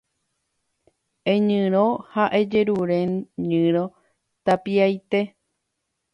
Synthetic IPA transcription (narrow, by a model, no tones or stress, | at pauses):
ẽɲɨ̃ɾõhaʔe̞d͡ʒe̞ɾuɾẽ̞ɲɨ̃ɾõ̞ | t̪apiajt̪e̞